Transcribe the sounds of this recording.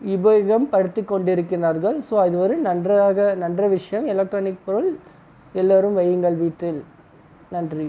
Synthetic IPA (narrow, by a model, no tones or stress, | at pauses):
ɪbɐɣɐmpɐɽɯt̪ːɯkːɔɳɖɪɾɯkːɪraːɾɣɐɭsoːɐðɯʋɐɾɯnɐndraːɣɐnɐndrɐʋɪʂɐjɐmɪlɐk̚ʈɾoːnɪk̚pɔɾɯl | ɛlːaːɾɯmʋɐjɯŋɡɐɭʋiːʈːɪl | nɐndri